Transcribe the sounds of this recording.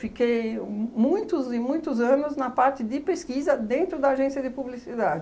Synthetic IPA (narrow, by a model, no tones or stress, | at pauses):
fikejmũj̃t̪ʊzɪmũj̃t̪ʊzɐ̃nʊznɐpaɾt̪ɪd̪ɪpeskizɐd̪ẽnt̪ɾʊd̪ɐːʒẽsiɐd̪ɪpublisid̪ad̪ɪ